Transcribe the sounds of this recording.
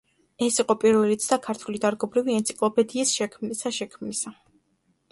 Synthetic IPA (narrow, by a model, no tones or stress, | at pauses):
ɛsiqʼɔpʼiɾvɛlit̪sʰd̪akʰaɾt̪ʰulid̪aɾɡɔbɾiviɛnt̪sʰi̥kʼlˠɔpʰɛd̪iːsʃɛkʰmnisaʃɛkʰmnisa